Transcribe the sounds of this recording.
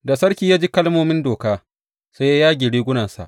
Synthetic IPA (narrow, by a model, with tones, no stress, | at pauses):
da˨sɐ˦ɽkʲiː˦jaː˦d͡ʒiː˦kɐ˦lmoː˦mɪ˦ndoː˨kaː˦ | sa˦ja˦jaː˦ɡʲɪ˨ɽiː˦ɡʷʊ˦na˨nsa̰˨ʔ